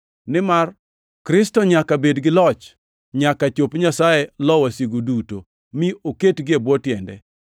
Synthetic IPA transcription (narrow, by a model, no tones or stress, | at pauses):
nɪmar | kɾɪstɔɲakabedɡɪlɔt͡ʃ | ɲakat͡ʃopɲasajɛlɔwasiɡoduto | mɪoketɡɪebwɔtjɛndɛ̰